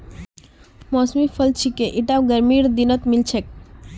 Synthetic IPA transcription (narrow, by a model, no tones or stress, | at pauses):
mɔsmipʰəlt͡ʃʰikeʔiʈawɡəɾmiɾd̪inət̪milt͡ʃʰek̚